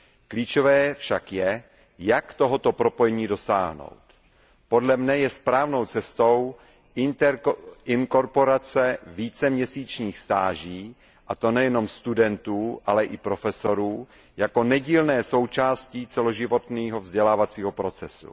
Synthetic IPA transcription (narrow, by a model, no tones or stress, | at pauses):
kliːt͡ʃovɛːfʃakjɛ | jakt̪o̞ɦo̞t̪o̞pɾo̞po̞jɛɲiːdo̞sa̰ːɦno̞̰wt̪ | po̞dlɛmɲɛjɛspɾaːvno̞wt͡sɛst̪ow | n | ɪŋko̞ɾpo̞ɾat͡sɛviːt͡sɛmɲɛsiːt͡ʃɲiːxst̪aːʒiː | ʔat̪o̞nɛjɛno̞mst̪udɛnt̪uːʔalɛʔɪpɾo̞fɛso̞ɾuː | jako̞nɛɟiːlnɛːso̞wt͡ʃaːsciːt͡sɛlo̞ʒɪvo̞t̪niːɦo̞vzɟɛlaːvat͡siːɦo̞pɾo̞t͡sɛsṵ